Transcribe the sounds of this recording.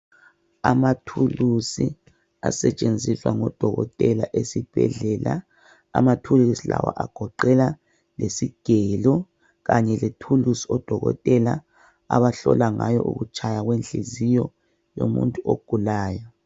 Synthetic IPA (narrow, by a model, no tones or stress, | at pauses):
amatʰulusi | asɛt͡ʃʼend͡zʱiswa̰ŋɔd̥ʱɔɣɔtʼɛlaʔesib̥ʱɛɮɛːla̰ː | matʰulusila̰waʔaɡ̥ʱɔǃɛla | lesiɡ̥ʱɛlɔ | ɣaɲɛletʰulusiɔd̥ʱɔɣɔ̰tʼɛla | a̰βaɬɔlaŋajɔʔuɣut͡ʃʰʼajaɣwenɬizijɔ | jo̰mṵntʼuʔoɡ̥ʱulaːjɔ